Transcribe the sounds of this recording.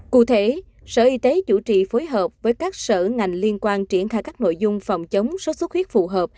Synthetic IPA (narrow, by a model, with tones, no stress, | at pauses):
kṵ˧˨t̪ʰe˧˦ | sə̰ː˧˩ʔi˧t̪e˨˦t͡ɕṵ˧˩t͡ɕḭ˧˨foː˨˦jɦəː˨˩p̚vəː˨˦jkaː˦˥k̚sə̰ː˧˩ŋa˨˩jŋ̟li˧ənkwaː˧nt͡ɕi˧˩ənxaː˧jkaː˦˥k̚no̰˧˨jzʊ˧ŋ͡mfa̰˨˩wŋ͡mt͡ɕə˨˦wŋ͡mso˨˦˥su˦˥t̚xwi˦˥ət̚fu˨˩ɦəː˨˩p̚